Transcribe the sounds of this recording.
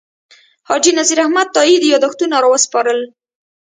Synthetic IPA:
hɑd͡ʒinaziɾahmad̪̚t̪ɑid̪jɑd̪axt̪unaɾɑwəspɑɾəl

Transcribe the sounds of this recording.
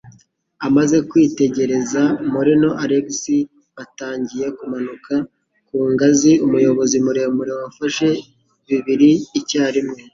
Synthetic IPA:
amaze̞kwiːte̞ɟe̞ɾe̞zamuɾino̞ʔaɾebisi | ataːɲɟije̞kumanuka | kuːŋɡaziumujo̞βo̞zimuɾemuɾewafaʃe̞ | βiβiɾiːcaːɾimŋe

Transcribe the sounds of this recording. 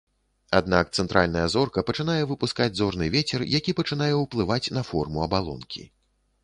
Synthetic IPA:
ad̪nak̚t̪sɛnt̪ɾʔa̰lʲnɐjɐzɔrkɐpɐt͡ʂɨn̪ajɛvɨpuskad͡zʲzɔrnɨ̰vʲet͡sʲɛrjʔakʲipɐt͡ʂɨnajɛuwplˠɨvat͡sʲnɐfɔ̰rmuɐbalˠɔ̰nkʲḭ

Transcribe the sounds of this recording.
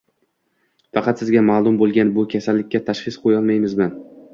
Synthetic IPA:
fɑqʰɑt̪sɪzɡʲamaːlˠʊmbolˠɡʲanbʊkʲʰasalːɪkʲːat̪ʰaʃχɪsqʰojɒlˠmajmɪzman

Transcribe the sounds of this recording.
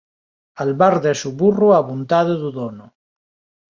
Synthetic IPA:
alβaɾðesuβuruaβunt̪aðoðuðono

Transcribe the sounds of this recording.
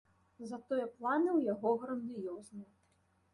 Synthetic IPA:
zɐt̪ɔjɛplˠanɨwjaɣɔɣɾɐnd̪ijɔznɨ

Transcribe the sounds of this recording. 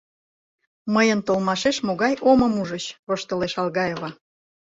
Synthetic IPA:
məjənt̪olmɑʃeʃmoɣɑjʔoməmuʒət͡ɕβoʃt̪əleʃɑlɣɑjeβɑ

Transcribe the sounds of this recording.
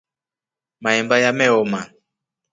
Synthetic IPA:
maɛmbajamɛɔma

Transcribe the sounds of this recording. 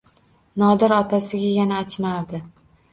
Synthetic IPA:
nɒd̪ɪɾɒt̪ʰasɪɡʲajanaːt͡ʃʰɪnaɾd̪ɪ

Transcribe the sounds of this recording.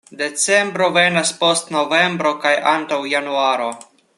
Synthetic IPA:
de̞t͡se̞mbɾo̞venaspo̞stno̞ve̞mbɾo̞kajʔantawjanuaɾo̞

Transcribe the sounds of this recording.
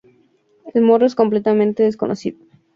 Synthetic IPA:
elmo̞ɾoesko̞mplet̪amẽnt̪eðeskonʔosiðo

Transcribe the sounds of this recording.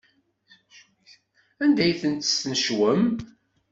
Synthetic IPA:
ænd̪æjθənt̪ə̥snəʃwəm

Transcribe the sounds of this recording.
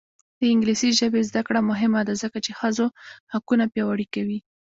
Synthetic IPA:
d̪̥əɪŋɡlisiʒəbezd̪akɽamʊɦɪmad̪azəkat͡ʃexəzohakunapjɑwaɽikawi

